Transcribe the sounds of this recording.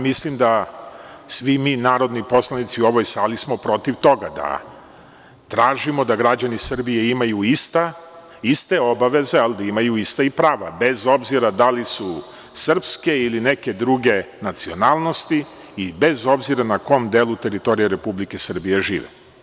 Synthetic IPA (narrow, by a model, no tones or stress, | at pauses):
mislimd̪a | sʋimiːnaːɾo̞d̪nipo̞slˠanit̪siuo̞ʋo̞jsaːlismo̞pɾo̞t̪iʋt̪o̞ɡad̪a̰ | t̪ɾaːʒimo̞d̪aɡɾad͡ʑanisr̩bije̞imajuist̪a | ist̪e̞o̞baʋe̞ze̞ald̪aimajuist̪aipɾaːʋa̰be̞zo̞bziɾad̪alisu | sr̩pske̞iline̞ke̞d̪ɾuɡe̞ | nat̪sio̞naːlˠno̞st̪i | ibe̞zo̞bziɾanako̞md̪eːlˠut̪e̞ɾit̪o̞ɾijeɾe̞publike̞sr̩bije̞ʒḭːʋḛ